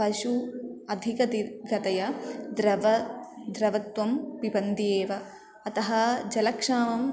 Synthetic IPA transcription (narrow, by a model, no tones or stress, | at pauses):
pɐʃuɐd̪ʱikɐd̪iɡɐt̪ɐjɐd̪ɾɐʋɐd̪ɾɐʋɐt̪wɐmpibɐnd̪ijeːʋɐː | t̪ɐɦɐd͡ʒɐlɐkʂaːmɐm